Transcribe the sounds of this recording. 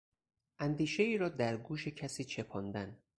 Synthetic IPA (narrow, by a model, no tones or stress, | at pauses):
ʔænd̪iːʃe̞iːɾɒːd̪æɾɡuːʃe̞cʰæsiːt͡ʃʰe̞pʰɒːnd̪æn